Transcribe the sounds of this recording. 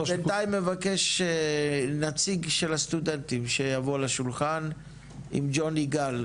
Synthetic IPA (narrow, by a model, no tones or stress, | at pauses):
bentaimːevake̞ʃenat͡siɡʃelhast̪ud̪ent̪imʃejavolaʃulχan | ḭmd͡ʒoniɡal